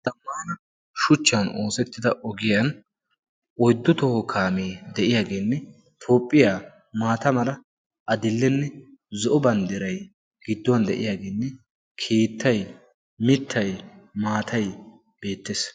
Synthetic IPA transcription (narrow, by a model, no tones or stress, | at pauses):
t̪ɐmːɐn | ʃʊt͡ʃːɐno̞ːsɛt̪ːɪd̪ɐʔɔɡɪjɐn | ʔɔjd̪ːʊt̪ɔhɔkʰaːmeːd̪ɛʔɪjaːɡeːnːɛ | t̪ʰo̞ːpʼːɪjaː | maːt̪ɐmɐlɐ | ʔɐd̪ɪlːɛnːɛ | zɔʔɔbɐnd̪ɪɾɐj | ɡɪd̪ːɔwɐnd̪ɛʔɪ̰jaːɡeːnːɛ | kʰe̞ːt̪ːɐj | mɪt̪ʰːɐjmaːt̪ʰɐj | b̥e̞ːt̪ːeːs